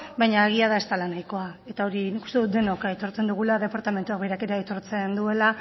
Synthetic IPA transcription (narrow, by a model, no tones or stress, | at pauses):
bajɲaːɣ̞iaðae̞st̪alanajko̞ae̞t̪ao̞ɾiniku̥st̪e̞ðut̪d̪e̞no̞kaet̪o̞ɾt͡se̞nd̪uɣ̞ulaðe̞paɾt̪ame̞nt̪uaɣβejɾake̞ɾeaet̪o̞ɾt͡se̞nd̪ue̞la